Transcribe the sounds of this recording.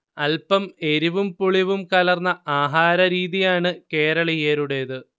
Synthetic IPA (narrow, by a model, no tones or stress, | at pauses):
ɐlpɐme̞ɾuʋumpuɭiʋumkɐlɐrnːɐaːɦaːɾɐɾiːðijaːɳɨke̞ːɾɐɭɐjeːɾuɽe̞ðɨ